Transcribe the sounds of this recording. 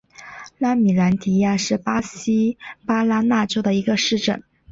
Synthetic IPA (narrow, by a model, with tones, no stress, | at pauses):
la˥mi˨˩la˧˥nt̪ʰi˧˥ja˥˧ʂɻ̩˥˩pa˥ɕi˥pa˥la˥na˥˩ʈ͡ʂo˥ʊd̪ə˨i˧˥ɡə˧ʂɻ̩˥˩ʈ͡ʂə̰˥˩˦ŋ